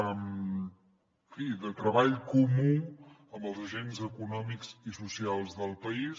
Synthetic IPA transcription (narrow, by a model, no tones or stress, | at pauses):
m | fiðət̪ɾəβaʎkumu | əmbəlˠzəʒenzəkunɔmikz̥isusialˠzðəlˠpəis